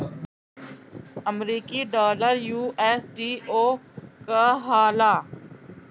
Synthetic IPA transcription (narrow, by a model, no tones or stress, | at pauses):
əmɾiːkiɖaːləɾjuːʔeːsɖiːoːkaɦaːlaː